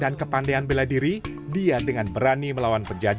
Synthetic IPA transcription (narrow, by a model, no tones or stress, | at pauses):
dankəpandeanbeladiɾi | diadəŋanbəɾaniməlawanpərd͡ʒa